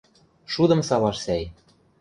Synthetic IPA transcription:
ʃud̪ɤ̆msɑβɑʃsæj

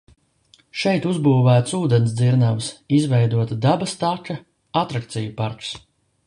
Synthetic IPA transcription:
ʃɛjt̪uzbuːvæːt̪suːd̪ɛnsd̪ziɾnavsizvɛjd̪uɔt̪ɐd̪abɐst̪akɐ | at̪ɾak̚t̪sijupaɾks

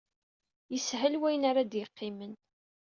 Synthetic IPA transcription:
jəsɦəlwæjənaɾad̪jəqːɪmən

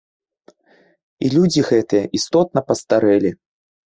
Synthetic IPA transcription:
ilʲud͡zʲiɣɛt̪ɨjɐʔist̪ɔt̪̚nɐpɐst̪aɾɛlʲi

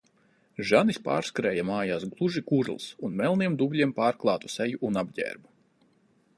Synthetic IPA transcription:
ʒanispa̰ːɾskaɾɛːjamaːjaːsɡlˠuʒikuɾlˠsunmɛlˠniɛmd̪ubʲlʲiɛmpaːɾklˠɑːt̪u̥sɛjuʔːnabɟɛ̰ːɾbu

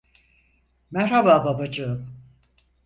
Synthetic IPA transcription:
mæɾhabaːbabad͡ʒɯm

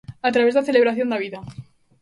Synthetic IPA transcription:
at̪ɾaβe̞zðaθele̞β̞ɾaθjo̞nd̪aβ̞iða

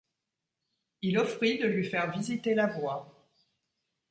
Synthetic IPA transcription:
ilɔfχid̪əlɥifɛʁvizit̪elavwa

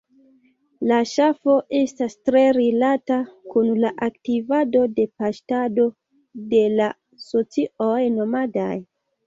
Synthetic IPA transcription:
laʃafo̞ʔe̞stastɾe̞ɾilatakunlaʔaktivado̞de̞paʃtado̞ | de̞la | so̞t͡siojno̞mada̰j

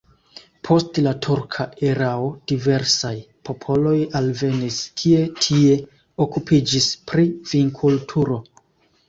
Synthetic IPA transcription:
pʰo̞stlatʰuɾkʰaʔeɾao̞d̥ive̞ɾsaj | po̞pʰo̞lo̞jalve̞niskʰie̞tʰie̞ | o̞kupʰid͡ʒispɾiviŋkʰultʰuɾo̞

